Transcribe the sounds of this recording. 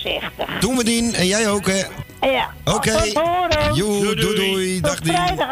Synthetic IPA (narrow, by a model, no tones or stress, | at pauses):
sɪxtətumədinɛnjɛjowkə | oːkejjududujdaxdi